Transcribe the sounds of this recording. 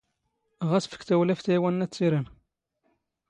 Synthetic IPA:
ʁæsfə̥kθæwlæfθæwænːæt͡sːiɾən

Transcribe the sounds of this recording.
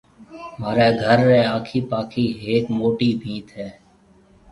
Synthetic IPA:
maːɾeːɡʱəɾːeːaːkʰiːpaːkʰiːɦeːkmoːʈiːbʱĩːt̪ɦɛː

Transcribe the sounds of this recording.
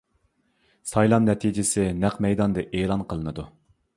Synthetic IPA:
sɑjlˠɑmnɛt̪ʰid͡ʒɪsɪnæqmɛjd̪ɑnd̪ɨʔeːlˠɑnqʰəlˠɨnɨd̪u

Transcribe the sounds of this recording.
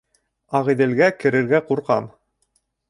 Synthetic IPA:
ɑʁiðɘ̆lɡækɘ̆ɾɘ̆ɾɡæquɾqɑ̰m

